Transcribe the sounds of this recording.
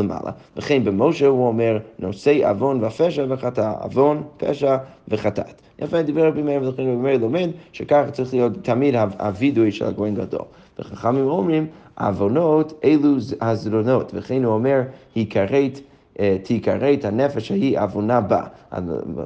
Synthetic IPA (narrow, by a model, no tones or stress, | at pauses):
ləmʔa̰lˠa̰ləχẽnbəmoʊʃɛuomɛɹnoseɪʔa̰vonvafɛʃavəχataa̰vonpʰɛ̰ʃavəχatʰa̰t | ʔefnd̪ibɛɾbimeɾimlˠəχẽɪnbbimeɾlˠomɛdʃɛkaχt͡saɾiχlˠijottʰːamidhaa̰vidujʃɛ̰lˠa̰ɡoẽmɡa̰do̰lˠ | vəχaχamimomɹimʔa̰vonoteɪlˠuhazɾonotvəχẽɪnuomɛɹhikʰaɾet | tʰikaɾethanɛfɛʃhahiʔavonaba̰a̰